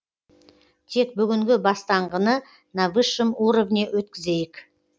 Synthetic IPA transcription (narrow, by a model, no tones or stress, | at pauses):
t̪ʰe̞k̚bʏɡʲɪŋɡʲɪbɑst̪ɑɴʁənə | navɨʃəmuɾovnewɵt̪kʲɪze̞jɪk